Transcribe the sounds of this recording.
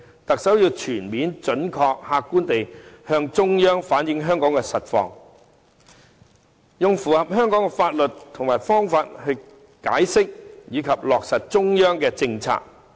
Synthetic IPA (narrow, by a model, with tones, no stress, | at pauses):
t̪ɐ˨k̚sɐ˨˥wjiː˨˧wt͡ʃʰyː˨˩nmiː˨˥nt͡ʃɵ˨˥nkʰɔː˧k̚haː˧kːuː˥nt̪e˨jhœː˧ŋt͡ʃʊ˥ŋjœː˥ŋfaː˨˥njɪ˨˧˥ŋɦœː˥ŋkɔː˨˥ŋkɛ˧sɐ˨t̚fɔ̰ː˧ŋ | jʊ˨ŋfuː˨hɐ˨p̚hœː˥ŋkɔː˨˥ŋkɛ˧faː˧t̚lɵ˨tt̪ʰʊ˨˩ŋmaː˨˩jfɔː˥ŋfaː˧t̚hɵ˧ɥ | ka̰ː˨˥jsɪ˥k̚jiː˨˧kʰɐ˨p̚lɔː˨k̚sɐ˨t̚t͡sʊ˥ŋjœː˥ŋkɛː˧t͡sɪ˧ŋt͡sʰa̰ː˧k̚